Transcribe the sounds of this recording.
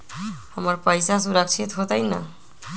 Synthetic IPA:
hʌmʌrpʌjsasuɾʌk̚t͡sʰit̪ɦot̪ʌjnʌ̰

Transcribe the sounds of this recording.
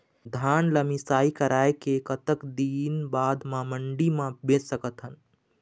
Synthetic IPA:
d̪ʱaːnləmisaːikəɾaːekekət̪əkd̪iːnbaːd̪mãməɳɖimãbet͡ʃsəkət̪ɦən

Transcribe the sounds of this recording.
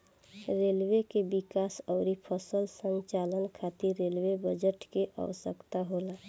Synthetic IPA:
ɾelwekebikasəʊɾipʰəsəlsəɲt͡ʃalənkʰat̪iɾelwebəd͡ʒəʈkeʔa̰ʋəsəkt̪aɦola

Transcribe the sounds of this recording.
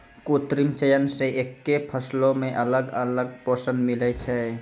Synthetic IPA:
kuːt̪ɾimt͡ʃəjənseʔeːkːepʰəslõmẽʔələɡələɡ̚poːsə̃nd̪mɪlɛt͡ʃʰɛ

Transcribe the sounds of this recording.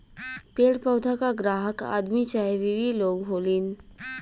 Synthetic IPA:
peːɽpəʊd̪ʱakaɡɾaːɦəka̰ːd̪mit͡ʃaːɦeʋiʋiloːɡɦoːliːn

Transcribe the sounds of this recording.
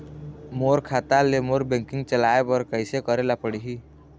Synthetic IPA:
moɾkʰaːt̪alemoːɾbẽŋkɪ̃ŋɡt͡ʃəlaːepəɾkəɪsekəɾelapəɽiɦi

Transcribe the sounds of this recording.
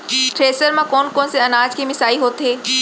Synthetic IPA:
ʈɾeːsəɾmãkɔːnkɔːnseɐnaːd͡ʒkimɪsaːiɦoːt̪ɦeː

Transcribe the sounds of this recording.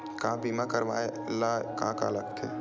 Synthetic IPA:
kãːbimakəɾʋaːeəlːakã̰ːka̰ləkt̪ʰḛ

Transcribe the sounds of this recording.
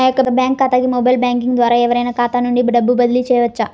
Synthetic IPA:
jokːɐd̪ɐbjaːŋkːaːt̪aːɡimoːbɐjlbjaːŋkiŋɡd̪ʋaːɾɐɛʋɐɾɐjnɐkaːt̪aːnuɳɖibɖɐbːubɐd̪ɐlit͡ʃeːjɐʋɐt͡ʃːɐ

